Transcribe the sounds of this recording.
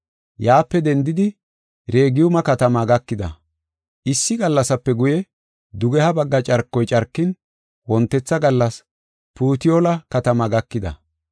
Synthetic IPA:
jaːpːɛd̪ɛnd̪ɪd̪ɪ | ɾe̞ːɡɪjʊmɐkɐt̪ɐmaːɡɐkːɪd̪ɐ̰ | ʔɪsːɪɡɐlːɐsɐpːɛɡʊjɛ | d̪ʊɡɛhɐbɐɡːɐt͡ʃʼɐɾkːɔjt͡ʃʼɐɾkːɪn | wɔnt̪ːɛt͡sːɐɡɐlːɐs | puːt̪ɪjolɐkɐt̪ɐmaːɡɐkːɪd̪ɐ̰

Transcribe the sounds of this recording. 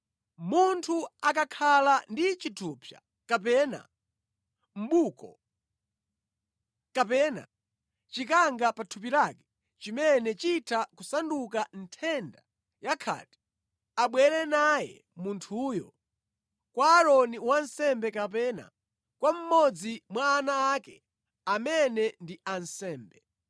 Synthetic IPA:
muntʰuakakʰalandit͡ʃitʰupʰja̰ | kapɛːna̰ | m̩ɓukɔ̰ | kapɛna̰ | t͡ʃikaŋɡapatʰup̬iɾakɛ̥ | t͡ʃimɛnɛt͡ʃitʰakusanduk̬antʰɛnda | jakʰa̰ːti̥ | aɓwɛɾɛnajɛ̰ | muntʰuːjɔ | kwaːɾɔniwansɛmbɛkapɛːna̰ | kwam̩mɔd͡zimwaːnaːkɛ | amɛnɛndiansɛːmbɛ

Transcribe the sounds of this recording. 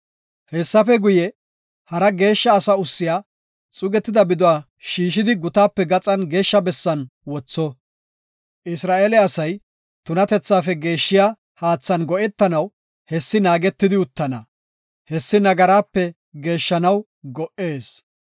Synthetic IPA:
hɛsːɐfɛɡʊjɛ | hɐɾɐɡe̞ːʃːɐːsɐʊsːɪjaː | t͡sʼʊɡɛt̪ːɪd̪ɐbɪd̪ʊwaː | ʃiːʃ̬ɪd̪ɪɡʊt̪aːpːɛɡɐt͡sʼɐnɡe̞ːʃːɐbɛsːɐnwɔt͡sːɔ | ʔɪsɾaːʔeːlɛɐsɐj | t̪ʊnɐt̪ɛt͡sːaːfɛɡe̞ːʃːɪjaː | haːt͡sːɐnɡɔʔɛt̪ːɐnɐw | hɛsːɪnaːɡɛt̪ːɪd̪ɪʊt̪ːɐnɐ | hɛsːɪnɐɡɐɾaːpːɛ | ɡe̞ːʃːɐnɐw | ɡɔʔe̞ːs

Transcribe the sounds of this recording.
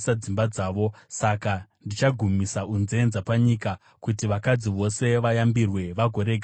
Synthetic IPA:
sad͡zimbad͡zaːʋo̞sakandit͡ʃaɡʱumisaunzeenzapaɲika | kutiʋakad͡ziʋo̞se̞ʋajambirwe̞ʋaɡʱo̞ɾe̞ɡʱa

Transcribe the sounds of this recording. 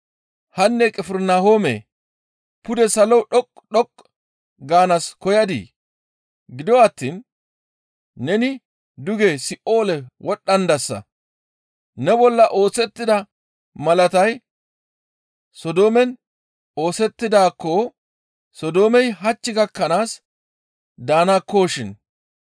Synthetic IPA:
hɐnːɛkʼɪfɪɾnahoːmḛː | pʊd̪ɛsɐlɔɗɔkʼɗɔkʼː | ɡaːnɐskɔjɐd̪ḭː | ɡɪd̪ɔwɐt̪ːiːn | ɛnɪ | d̪ʊɡesɪʔo̞ːlɛwɔɗːɐnd̪ɐsːɐ̰ | nɛbɔlːɐʔo̞ːsɛt̪ːɪd̪ɐ | mɐlɐt̪ɐj | sɔd̪o̞ːmɛn | o̞ːsɛt̪ːɪd̪aːkːo | sɔd̪o̞ːmɛjɦɐt͡ʃːɪɡɐkːɐnaːs | d̪aːnakːoːʃɪn

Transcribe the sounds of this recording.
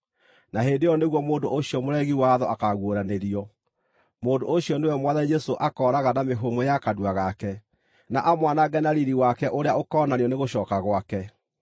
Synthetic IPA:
naɦeːndejɔneɣwɔmoːndoʔoɕiɔmoɾɛɣiwaðɔʔakaɣwoɾaneɾiɔ | moːndoʔoɕiɔnewɛmwaðanid͡ʒɛsoʔakɔːɾaɣanameɦomojakaduaɣakɛ | naʔamwanaɡɛnaɾiɾiwakɛʔoɾeaokɔːnaniɔneɣoɕɔːkaɣwakɛ

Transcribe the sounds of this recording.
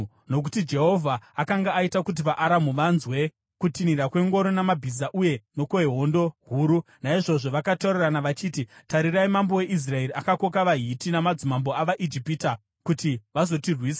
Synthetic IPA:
no̞k̬u̥tid͡ʒe̞ɦo̞vʱaːkaŋɡaːitakut̬iʋaʔaɾamuʋanzwe̞ | kutiniɾakwe̞ŋɡo̞ɾonamabʱizaʔuje̞no̞koeɦo̞ndo̞ɦuːɾu | naiʐo̞ʐo̞ʋakatoreranaʋat͡ʃiːtitaɾiraimambo̞we̞ʔis̬rae̞ɾiʔakako̞kaʋaɦitinamad͡zumambo̞aʋaʔid͡ʒipita | kutiʋazo̞tirwiːsḁ

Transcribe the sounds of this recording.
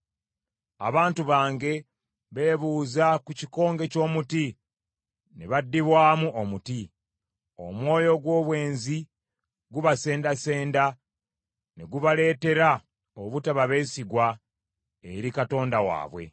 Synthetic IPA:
a̰βaːntuβaːŋɡe̞ | βe̞ːβuːzakuciko̞ːŋɡe̞co̞ːmuti | neβadːiβwaːmuʔomuti | o̞̰mwo̞ːjo̞ɡwo̞ːβwe̞ːnzi | ɡuβase̞ːndase̞ːnda | ne̞ɡuβale̞ːte̞ɾa | oβutaβaβe̞ːsiɡwa | ḛɾikato̞ːndawa̰ːβwe̞̰

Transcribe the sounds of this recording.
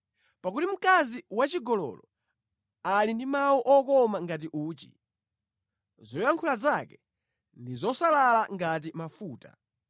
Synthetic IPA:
pakutim̩kaziwat͡ʃiɡɔlɔ̰lɔ | alindimawuʔɔkɔmaŋɡat̬iʔuːt͡ʃḭ | zɔjaŋkʰulazakɛ | ndizɔsalalaŋɡat̬imafuːta̰

